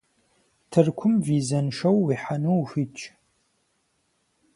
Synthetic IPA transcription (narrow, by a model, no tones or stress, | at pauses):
tʰɨrkʷʰʊmviːzɐnʂɐwːiħanuwxʷɨt͡ʃʼ